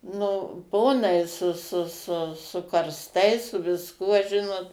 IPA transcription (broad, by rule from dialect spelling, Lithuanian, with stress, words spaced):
ˈnʊ ˈpoːnɐɪ sʊ sʊ sʊ sʊ kɐrsˈtɐɪs sʊ ʋʲɪsˈkuɔ ˈʒʲɪnoːt